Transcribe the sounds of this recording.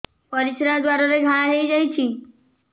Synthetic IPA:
pɔɾisɾad̪waɾɔɾeɡʱaɭaɦejd͡ʒajt͡ɕʰi

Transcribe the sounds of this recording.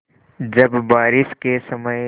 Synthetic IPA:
d͡ʒɐbbaːɾɪskesɐməj

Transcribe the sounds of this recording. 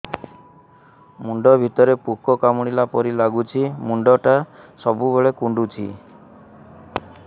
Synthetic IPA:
muɳɖɔbʱit̪ɔɾepukɔkamuɽ̃ilapɔɾilaɡut͡ʃʰimuɳɖɔʈasɔbubeɭekuɳɖut͡ʃʰḭ

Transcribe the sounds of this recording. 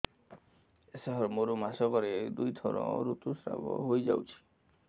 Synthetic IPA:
esaɦɔɾmoɾomasɔkɔɾed̪ujt̪ʰɔɾɔ̰̃ɾut̪usɾa̰bɔ̰ɦojd͡ʒa̰wt͡ʃʰi̥

